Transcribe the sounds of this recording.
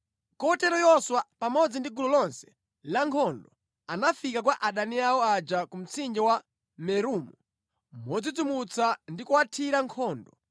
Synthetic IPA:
kɔtɛɾɔjɔswapamɔd͡zindiɡulɔlɔnsɛ̥ | laŋkʰɔndɔ | anafikakwaʔaɗaniawɔad͡ʒakum̩t͡sind͡ʒɛwa | mɛɾuːmu | mɔd͡zid͡zumut͡sandikuwatʰiɾaŋkʰɔːndɔ

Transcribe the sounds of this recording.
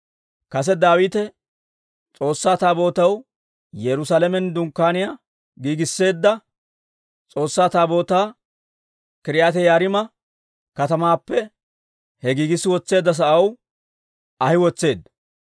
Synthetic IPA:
kɐs̬ɛd̪aːwiːt̪ɛ | t͡sʼo̞ːsːaːt̪aːbo̞ːt̪ɐw | jɛɾʊsaːlɛmɛnd̪ʊŋkːaːnɪja | ɡiːɡɪsːe̞ːd̪ːɐ | t͡sʼo̞ːsːaːt̪aːbo̞ːt̪aː | kɪɾɪjaːt̪ɛjaːɾɪmɐ | kɐt̪ɐmaːpːɛ | hɛɡiːɡɪsːɪwɔt͡sːe̞ːd̪ːɐs̬ɐʔɐw | ɐhɪwɔt͡sːe̞ːd̪ːɐ

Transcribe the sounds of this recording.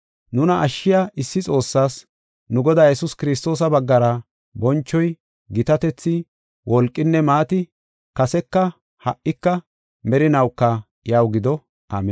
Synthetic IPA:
nʊnɐʔːʃːɪjaʔɪsːɪt͡sʼo̞ːsːaːs | nʊɡɔd̪aːjɛsʊskɪɾɪs̬t̪o̞ːs̬ɐbɐɡːɐɾɐ | bɔnt͡ʃːɔj | ɡɪt̪ɐt̪ɛt͡sːɪ | wʔɔlkʼːɪnːɛmaːt̪ɪ | kɐsɛkːɐ | hɐʔːɪkːɐ | mɛɾɪnɐwkːɐ | jawɡɪd̪ɔ | ʔa̰ːmɛ

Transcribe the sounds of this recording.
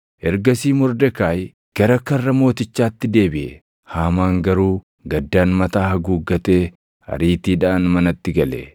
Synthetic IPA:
ʔɛɾɡɐsiːmɔɾd̪ɛkaːj | ɡ̥ɐɾɐkːɐrːɐmo̞ːt̪ɪt͡ʃːaːt̪ːɪd̪e̞ːbɪʔɛ | haːmaːŋɡɐɾuː | ɡɐd̪ːaːnmɐt̪aːhɐɡuːɡːɐt̪e̞ː | hɐ̰ɾiːt̪iːᶑaːnmɐnɐt̪ːɪɡɐlɛ̰

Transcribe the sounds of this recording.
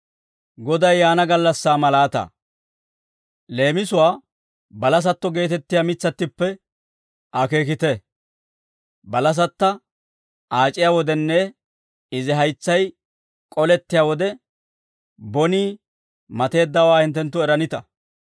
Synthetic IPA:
ɡɔd̪ɐjːaːnɐɡɐlːɐsːaːmɐlaːt̪ɐ̰ | le̞ːmɪsʊwaː | bɐlɐs̬ɐt̪ːɔɡe̞ːt̪ɛt̪ːɪjamɪt͡sːɐt̪ːɪpːɛ | ʔɐke̞ːkɪt̪ɛ | bɐlɐs̬ɐt̪ːɐ | aːt͡ʃʼɪjawɔd̪ɛnːɛ | ɪzɪɦɐjt͡sːɐj | kʼɔlɛt̪ːɪjaːwɔd̪ɛ | bɔniː | mɐt̪e̞ːd̪ːɐwaːhɪnt̪ːɛnt̪ːʊɛɾɐnɪt̪ɐ

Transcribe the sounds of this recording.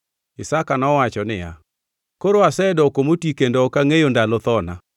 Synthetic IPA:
ɪsakanɔwat͡ʃɔnɪja̰ | koɾoasɛdɔkomotikendɔɔkaŋejondalɔtɔna

